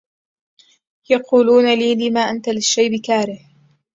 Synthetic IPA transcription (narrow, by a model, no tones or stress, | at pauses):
jɑquːluːnaliːlɪːmaːʔant̪alɪʃːajbɪkaːɾɪh